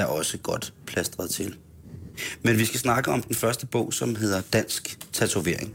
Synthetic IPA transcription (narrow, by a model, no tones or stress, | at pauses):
æɐʔɒ̽səɡ̥ɒ̽d̥pʰlæsd̥ʁɐðˠt͡sʰe̝l | menʋisɡ̥æsnɑ̈ɡ̥əʔɒ̽md̥enfɶɐsd̥əb̥ɔ̰̽ʊ̰sɒ̽mɦe̝ð̞̰ˠɐd̥æn̰sɡ̥t͡sʰæt͡sʰuʋe̝ɐ̰e̝ŋ